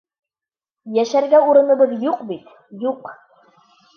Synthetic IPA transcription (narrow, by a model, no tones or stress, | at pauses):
jæʃæɾɡæuɾɤ̆nɤ̆βɤðjuqbit̪ | juq